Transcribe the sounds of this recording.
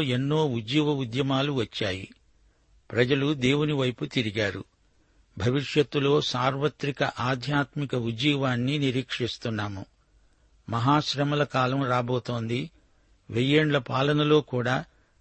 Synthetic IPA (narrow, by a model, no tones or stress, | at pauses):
enːo̞ːud͡ʒiːʋɐud̪jɐmaːluʋɐt͡ʃːaːjḭ | pɾɐd͡ʒɐlud̪e̞ːwuniʋɐjput̪iɾiɡaːɾṵ | bʱɐʋiʂjɐt̪ːulo̞ːsaːɾʋɐt̪ɾikɐʔaːd̪ʱjaːt̪mikɐud͡ʒiːʋaːnːiniɾiːkʂist̪unːaːmu | mɐɦaːʃɾɐmɐlɐkaːlɐmɾaːbo̞ːt̪o̞ːnd̪i | ʋejeːɳlɐpaːlɐnɐlo̞ːkuːɽaː